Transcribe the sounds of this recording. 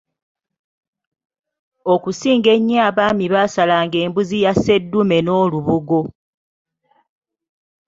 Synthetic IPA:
o̞kusiːŋɡe̞ɲːaːβaːmiβaːsalaːŋɡe̞ːmbuzijase̞dːume̞no̞ːluβuɡo̞

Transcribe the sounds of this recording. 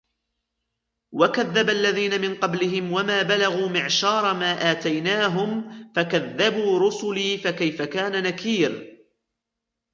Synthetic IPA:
wakaðːabalːaðiːnamɪnqɑblɪɦɪmwamaːbalaɣuːmɪʕʃɑːɾˤɑmaːʔaːt̪ajnaːɦʊmfakaðːabuːɾʊsʊliːfakajfakaːnanakiːɾ

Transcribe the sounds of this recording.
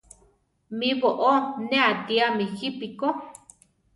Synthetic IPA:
mĩβoʔonẽat̪iamixipiko

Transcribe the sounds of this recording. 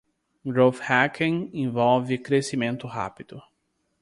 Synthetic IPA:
ɡɾofhakʰẽŋẽvɔwvɪkɾesimẽnt̪ʊɦa̰pid̪̥ʊ

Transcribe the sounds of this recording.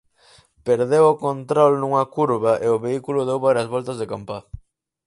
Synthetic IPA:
peɾðewʊkont̪ɾɔlnuŋɐkuɾβɐʔeʊβeikulʊðewβaɾjɐzβɔlt̪ɐzðekampa

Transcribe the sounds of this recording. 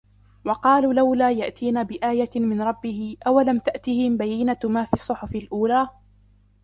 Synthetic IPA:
wɑqɑːluːlawlaːjaʔt̪iːnabɪʔaːjamɪnɾˤɑbːɪhɪʔawalamt̪aʔt̪ɪhɪmbajːɪnamaːfiːsˤːʊħʊfɪlʔuːlaː

